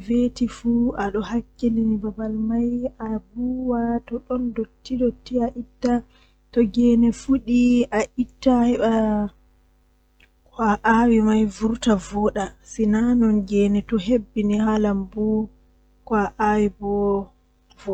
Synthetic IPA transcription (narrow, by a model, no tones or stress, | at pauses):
vetifuaɗɔhakːeninibabalmajabuwatɔɗɔndotːidotːiaʔitːa | tɔɡɛnɛfuɗiaʔitːahɛɓa | kwaʔawimajvuɾtavɔːɗasinanɔnɡɛnɛtɔɦebːiniɦalambu | kwaʔawibɔ | vɔ